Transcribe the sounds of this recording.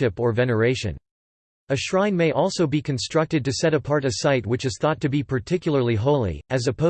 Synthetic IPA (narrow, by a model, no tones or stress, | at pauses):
ɪpə˞vɛnə˞eɪʃɨ̰̃n | ɨʃɹãɪ̃nmeɪʔɔlˠsoʊbikʰɨ̃nstɹ̥ʌk̚tɨd̚tɨsɛɾɨpʰɑɹɾɨsaɪt̚wɨt͡ʃɨz̥θɔtʰɨbipʰə˞tʰɪkjl̩ˠə˞lˠiɦoʊlˠḭɨzɨpʰo